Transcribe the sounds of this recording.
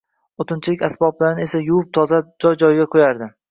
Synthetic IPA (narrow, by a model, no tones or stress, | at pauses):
ot̪ʰɪnt͡ʃʰɪlɪkʲasbɒblaɾɪnɪe̞sajʊwʊp̚t̪ʰɒzad͡ʒɒjd͡ʒɒjɡʲakʰojaɾd̪ɪ